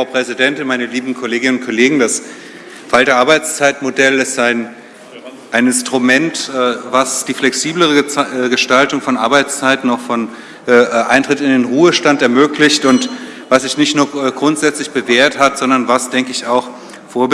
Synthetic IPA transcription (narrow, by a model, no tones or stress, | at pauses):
fʁaʊpʁ̥ɛzidɛntɪnmaɪnəliːbm̩kʰoleːɡɪnənʊnt̚kʰoleːɡŋ̩das | faltəaːɐbaɪt͡st͡saɪtmodɛlɪstaɪn | ʔaɪnɪnstʁ̥umɛntɛːvasd̥iːflɛksiːbləʁ̞əɡəʃtaltʊŋfɔnʔa̰ɐbaɪt͡st͡saɪtn̩ɔχfɔnː | ʔʔaɪntʁ̥ɪtɪndeːnʁuːəʃtantɛɐmøːklɪçtʊnt | vasz̥ɪçnɪçtnuːɐːɡʁʊntz̥ɛt͡slɪçb̥əveːɐthatz̥ɔndɐnvasd̥ɛŋkəɪçaʊx | foːɐb